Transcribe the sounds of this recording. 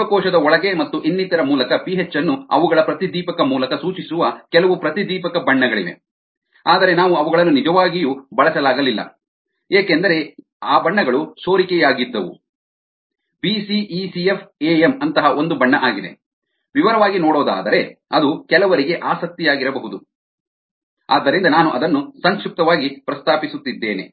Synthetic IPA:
ɐkɔːʃɐd̪ɐɔɭɐɡe̞mɐt̪ːuʔinːit̪ɐɾɐmuːlɐkɐpiɦet͡ʃːɐnːuɐ̰ʋuɡɐɭɐpɾɐt̪id̪iːpɐkɐmuːlɐkɐsuːt͡ʃisuʋɐkɛlɐʋupɾɐt̪id̪iːpɐkɐbɐɳːɐɡɐɭḭʋe̞̰ | aːd̪ɐɾe̞naːʋuɐʋuɡɐɭɐnːunid͡ʒɐʋaːɡijubɐɭɐsɐlaːɡɐlilːɐ̰ | eːkend̪ɐɾe̞ | aːbɐɳːɐɡɐɭusoːɾikɛjaːɡid̪ːɐʋṵ | pisiisiefʰeːemɐnt̪ɐɦɐʔo̞nd̪ubɐɳːɐʔaːɡid̪e̞̰ | ʋiʋɐɾɐʋaːɡinoːɽɔːd̪a̰ːd̪ɐɾe̞ɐd̪ukɛlɐʋɐɾiɡe̞ʔaːsɐk̚t̪ijaːɡiɾɐbɐɦud̪u | a̰ːd̪ːɐɾind̪ɐnaːnuʔɐd̪ɐnːusɐŋkʃuk̚t̪ɐʋaːɡipɾɐst̪aːpisut̪ːid̪ːeːne̞̰

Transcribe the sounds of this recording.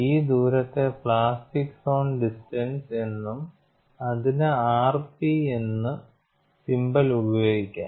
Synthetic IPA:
iːd̪uːɾɐt̪ːe̞pɭaːsʈikːso̞ːnɖisʈɐnse̞nːum | ɐðinɨaːrpienːɨ | simbɐlubɐjo̞ːɡikʲːa̰ː

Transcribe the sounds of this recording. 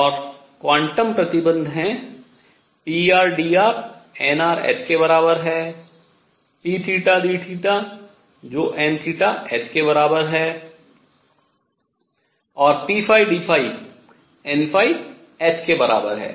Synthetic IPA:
ɔːɾ | kʋãːɳʈəmpɾət̪ɪbə̃nd̪ʱɦɛ̃ | piːaːɾɖiːaːɾɛːnaːɾɛ̰ːskeβɐɾaːbəɾɦɛː | iːʈʰiːʈad̪iːʈʰiːʈa | d͡ʒoːʔɛ̃ːnt̪ʰiːʈaɛːskebɐɾaːbəɾɦɛː | ɔːɾpiːpʰaːiɖiːpʰaːi | ɛːnpʰaːi | ɛːskebɐɾa̰ːbə̰ɾɦɛ̰ː

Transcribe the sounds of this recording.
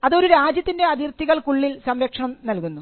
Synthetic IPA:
ɐðo̞ɾuɾaːd͡ʑjɐt̪ːinde̞ɐðirt̪ːiɣɐɭkuɭːilsɐmɾɐkʂɐɳɐmnɐlkunːu

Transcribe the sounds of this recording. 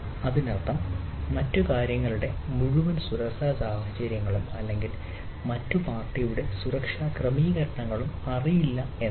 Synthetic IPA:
ɐðinert̪ːɐmːɐtːukaːɾjɐŋːɐɭuɽe̞muɻuʋɐnsuɾɐkʂaːsaːhɐt͡ɕɐɾjɐŋːɐɭumɐ̰lːe̞ŋɡil | mɐtːupaːrtːɐjuɽe̞suɾɐkʂaːkrɐmiːɣɐɾɐɳɐŋːɐɭumɐrijilːɐe

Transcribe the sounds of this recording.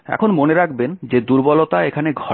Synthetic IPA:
ɛ̰kʰonmoneɾakʰbend͡ʑed̪uɾbɔlot̪aekʰaneɡʱɔ

